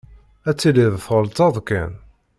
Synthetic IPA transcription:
æt͡sːiliðθʁəlt̪ɑðˤkæ̰n

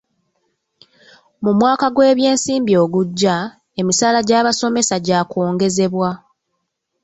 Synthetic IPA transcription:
mumwaːkaɡwe̞ːβje̞ːnsiːmbio̞ːɡuɟːa | e̞misaːlaɟaːβaso̞me̞saɟaːko̞ːŋɡe̞ze̞βwa

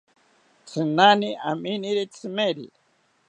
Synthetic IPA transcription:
t͡sʰɨnaniʔa̰miniɾit͡sʰɨmeɾḭ

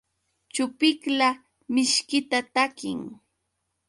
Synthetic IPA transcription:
t͡ʃʊpɪkla | mɪʃkɪt̪at̪akɪ̰ŋ

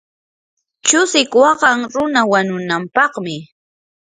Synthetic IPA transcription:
t͡ʃʊsɪkwɑɢɑŋɾʊnawaɲʊnampɑχmɪ

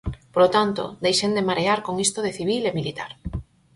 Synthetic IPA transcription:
polot̪ant̪o̰d̪ejʃend̪emaɾeaɾkoŋist̪oðeθiβilemilit̪aɾ

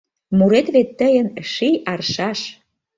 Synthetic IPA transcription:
muɾet̪βet̪ːəjə̆nʃijɑrʃɑʃ

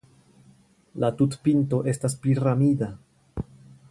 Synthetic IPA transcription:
latutpinto̞ʔe̞staspliɾamida

